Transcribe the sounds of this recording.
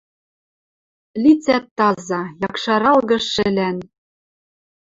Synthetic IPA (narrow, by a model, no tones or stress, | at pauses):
lit͡sæt̪ːɑzɑjɑkʃɑɾɑlɣɤ̆ʃɘ̆læn